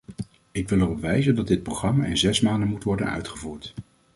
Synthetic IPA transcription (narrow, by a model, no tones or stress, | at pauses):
ɪkʋɪlˠərɔpʋɛjzəndɑdɪt̚prowχrɑmaɪnzɛsmaːndənmutʋɔɹdənœ̰ɥtχəvuːɹt